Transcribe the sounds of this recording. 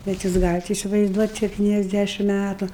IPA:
bʲɛt ˈjuːs ˈɡɑːlʲɪt ɪsʲɪʋɐɪzˈduɔtʲ sʲɛpʲtʲiːnʲɛzʲˈdʲæʃʲɪm ˈmʲætʊ

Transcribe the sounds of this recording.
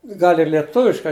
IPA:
ˈɡɐlʲ ɪr lʲiɛˈtʊʋʲɪʃkɐɪ

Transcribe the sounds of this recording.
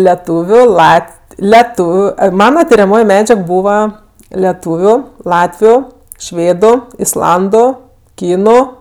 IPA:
lʲɛˈtuːʋʲʊ ˈlˠɐt lʲɛˈtuːʋʲʊ ˈɐɪ ˈmɑːnɐ tʲɪrʲɛˈmoːj ˈmʲæːd͡ʒʲɛk ˈbuːʋɐ lʲɛˈtuːʋʲʊ ˈlˠɑːtʲʋʲʊ ˈʃʲʋʲeːdʊ ɪsˈlˠɐndʊ ˈkʲiːnʊ

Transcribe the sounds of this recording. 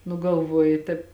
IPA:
nʊ ɡɐlˠˈʋoːjɪ ˈtɐɪp

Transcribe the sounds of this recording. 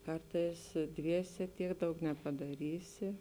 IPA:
ˈkɐrtɐɪs ˈdʲʋʲiɛsʲɛ ˈtʲiɛk ˈdɐʊk nʲɛpɐdɐˈrʲiːsʲɪ

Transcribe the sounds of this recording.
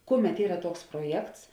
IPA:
ˈkʊˌmʲɛt ˈiːrɐ ˈtuɔks proːˈjɛkts

